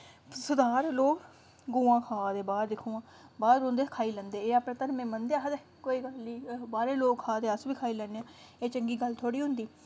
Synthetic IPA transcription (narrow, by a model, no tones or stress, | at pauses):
sʊd̪aːɾloːɡ | ɡũːãːkʰaːd̪eːbaːɾd̪ɪkʰːũːãː | baːd̪ɾõːnd̪eːkʰaːiːlə̃nd̪eːeːəpet̪ənmẽːmənd̪eaːɦd̪eː | koːiːɡəlːiːbaːɾeːloːɡkʰaːd̪eːəsʋiːkʰaːiːlɛːneãː | eːt͡ʃəŋɡiːɡəlt̪ʰoːɽiːɦʊ̃nd̪iː